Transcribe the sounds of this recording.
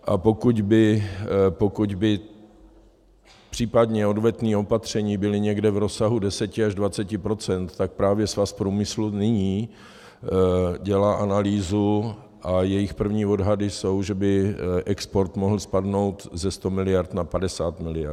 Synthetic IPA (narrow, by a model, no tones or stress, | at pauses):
ʔapo̞kuɟbɪ | po̞kuɟbɪ | pr̥iːpadɲɛo̞dvɛt̪niːo̞pat̪r̝̥ɛɲiːbɪlɪɲɛɡdɛvɾo̞saɦudɛsɛcɪaʒdvat͡sɛcɪpɾo̞t͡sɛnt̪ːak̚pɾaːvjɛsvaspɾuːmɪslunɪɲiː | ɟɛlaːʔanaliːzu | ʔajɛjɪxpr̩vɲiːo̞dɦadɪso̞wʒɛbɪʔɛkspo̞ɾt̪moɦl̩spadno̞wt̪zɛst̪o̞mɪlɪjaɾt̪napadɛsaːt̪mɪlɪja̰